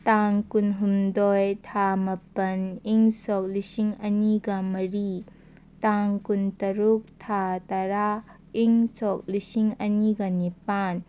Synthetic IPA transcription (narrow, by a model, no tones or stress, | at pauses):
taŋkunɦumdɔjtʰamɐpɐniŋsɔk̚lisiŋɐniɡɐmɐɾi | taŋkuntɐɾuk̚tʰatɐɾa | iŋsɔk̚lisiŋɐniɡɐnipan